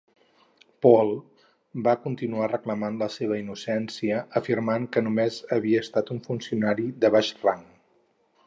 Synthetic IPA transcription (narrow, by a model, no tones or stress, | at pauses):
pɔlˠ | bakunt̪inuarəkləmanləseβ̞əinusɛnsiəːfirmaŋkənumezəβiəːst̪at̪uɱfunsiunaɾiðəβaʃraŋ